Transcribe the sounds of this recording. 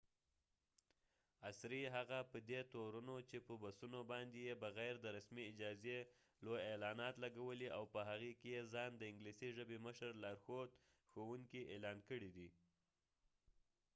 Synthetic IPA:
asɾiɦaɣapəd̪et̪oɾunot͡ʃepəbasunobɑnd̪ejebəɣajɾd̪əɾasmiɪd͡ʒɑze | lojelɑnɑt̪laɡawəliʔawpəɦaɣekejezɑnd̪əɪŋɡlisiʒəbeməʃəɾlaɾxod̪ | xowuŋkiʔelɑnkəɽid̪i

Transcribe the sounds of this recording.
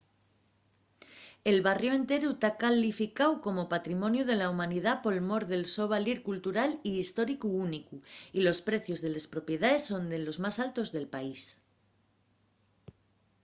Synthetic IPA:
e̞lβarjoẽ̞nt̪e̞ɾut̪akalifikawko̞mo̞pat̪ɾimonjuð̞e̞laumãnið̞apo̞lmo̞ɾðe̞lso̞β̞aliɾkult̪uɾaliːst̪o̞ɾikuunikuilo̞spɾe̞θjo̞zðe̞lespɾo̞pje̞ðae̞sːo̞nd̪elo̞zmasalt̪o̞zðe̞lpais

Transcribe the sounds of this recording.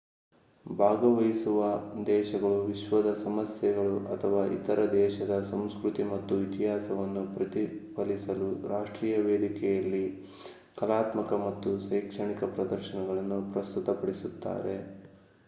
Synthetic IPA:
bʱaːɡɐʋɐjisuʋɐd̪ɛːʃɐɡɐɭuʋiʃʋɐd̪ɐsɐmɐsjɛɡɐɭuʔɐt̪ʰɐʋaːʔḭt̪ɐɾʔɐd̪ɛːʃɐd̪ɐsɐmskɾut̪imɐt̪ːuit̪iɦaːsɐʋɐnːupɾɐt̪ipɐlisɐluɾaːʂʈɾiːjɐʋeːd̪ikɛjɐlːi | kɐlaːt̪mɐkɐmɐt̪ːusɐjkʂɐɳikɐpɾɐd̪ɐɾʃɐnɛɡɐɭɐnːupɾɐst̪ut̪ɐpɐɽisut̪ːa̰ːɾe̞̰

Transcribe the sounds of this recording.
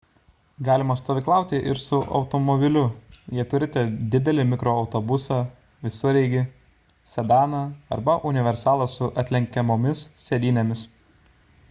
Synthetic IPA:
ɡɑːlʲɪmɐst̪oːʋʲɪklˠɑˑʊt̪ʲɪʔɪ̰ɾsʊʔɒ̰ʊt̪ɔmɔbʲɪlʲʊjiɛt̪ʊɾʲɪt̪ʲɛd̪ʲɪd̪ʲɛlʲɪmʲɪkɾoːɒʊt̪ɔbʊsɑː | ʋʲɪsʊɾʲɛɪɡʲɪ | sʲɛd̪ɑːnɑɐ̰ɾbɐʔʊnʲɪʋʲɛɾʲsɑːlˠɐsʊʔɐt̪ʲlʲɛŋʲkʲɛmoːmʲɪssʲɛd̪ʲiːnʲɛmʲɪs

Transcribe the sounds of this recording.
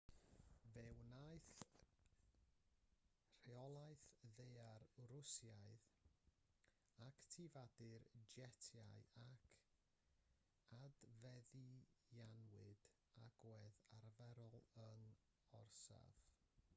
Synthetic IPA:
vɛwnajθ | r̥eɔlˠajθðejarrʊsjaɨð | aktʰivadɪrd͡ʒɛtʰjajakʰ | advɛðijanwɨd̥ | aɡ̥wɛðarvɛɾɔlˠəŋ | ɔrsa̰v̥

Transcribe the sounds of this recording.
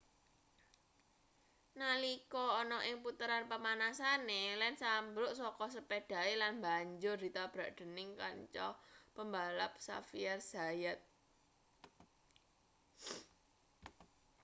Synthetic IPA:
nalikɔːnɔʔɪŋput̪əɾanpəmanasanelɛnsambɾʊʔsɔkɔs̬əpeɖ̥ä̤elanmbaɲd͡ʒʊrd̥̪i̤t̪ab̥ɾaʔɖ̪̥ə̤nɪŋka̰ɲt͡ʃɔpəmbalap̚sa̰fiarz̥a̤jat̪̚

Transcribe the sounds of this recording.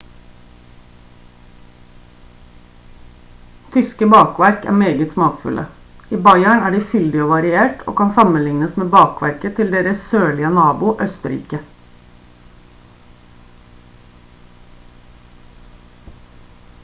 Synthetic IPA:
t̪ʰʏskəbɑːkʋæɾkæ̰ːmeːɡət̪smɑːkfʉ̰lʔə̰ | iːbɑɪæɳæːɖiːfʏld̪ɪoːʋɑɾɪeːʈʰo̰ːkʰɑnsɑmənlɪŋnəsmeːbɑːkʋæ̰ɾkət̪ʰɪld̪eːɾəssøːɭɪənɑːbʊʔœst̪əɾḭːkə

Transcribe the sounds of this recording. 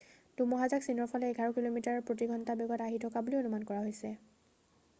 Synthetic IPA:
d̥umɔɦazaksinɔɹpʰɔlɛːɡʱaɹɔkilomitaɹɔpɹot̬iɡʱɔntabɔɡɔtaɦitʰɔkabulionumankɔɹaɦojsɛ

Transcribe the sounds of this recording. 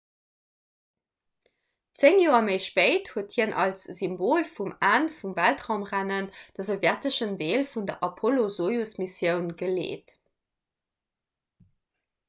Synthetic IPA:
t͡seŋjoːɐməɪʃpeɪthuəthiənʔɑ̰lsz̥imboːlfumaːnfumvæltʁaʊmʁænənd̥əzovjætəʃəndeːlfundɐʔɑpʰolozoːjusmisjəʊnɡəlḛːt

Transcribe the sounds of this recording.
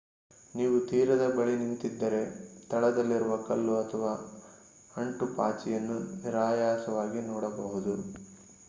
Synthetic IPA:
niːʋut̪iːɾɐd̪ɐbɐɭinint̪id̪ːɐɾe̞t̪ɐɭɐd̪ɐlːiɾuʋɐkɐlːuɐt̪ʰɐʋaː | ɐɳʈupa̰ːt͡ʃijɐnːuniɾaːjaːsɐʋaːɡinɔːɽɐbɐɦud̪u

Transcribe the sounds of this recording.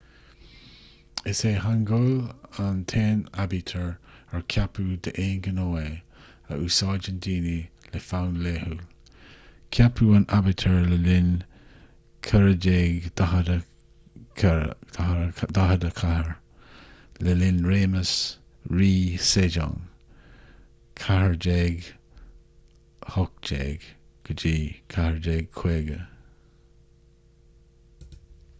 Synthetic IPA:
ɪseːɦanɡolant̪ʰeːnabit̪ʰəɹəɹkʰapʰud̪əʔeːnɡənoːe | əʔuːsɑːd͡ʒəndiːni | lefawnlehul | kʰjapʰuːanʔabit̪ʰəɹləlɪn | kʰəɹəd͡ʒeːɡdahədə | kʰad̪aɦədəkʰahəɹ | ləlɪnɹeːməs | ɹiːsed͡ʒɔ̰ːŋ | kʰaɦəɹd͡ʒeːɡ | hɔk̚d͡ʒḛːɡ | ɡ̥əd͡ʒiːkʰahəɹd͡ʒeːɡ̚kʰweːɡə

